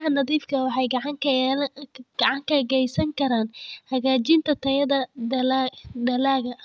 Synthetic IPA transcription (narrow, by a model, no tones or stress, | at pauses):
hɐnɐðiːfkʰɐwɑħɑjɡʕɑŋʰlɡ̥ɑʕɑŋkʰɐɣɛjsɐŋkʰɐɾaːnhɐɣaːt͡ʃɪnt̪ʰɐt̪ʰɐjɐðɐldɐlaːɣɐ